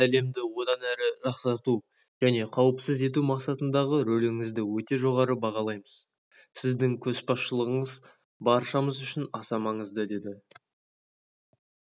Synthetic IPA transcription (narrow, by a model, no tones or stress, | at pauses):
æle̞md̪ɪwo̞d̪ɑnæɾɪʒɑqsɑɾt̪u | ʒ̥æne̞qʰɑwəpsəze̞t̪̬umɑqsɑt̪ənd̪ɑʁəɾɵlɪŋɪzd̪ɪwɵt̪e̞ʒo̞ʁɑɾəbɑʁɑlˠɑjməz̥ | sɪzd̪ɪŋkʲʰɵspɑsʃəlˠəʁəɴəz | bɑɾʃɑməzʏʃɪnɑsɑmɑɴəzd̪əd̪e̞d̪ɪ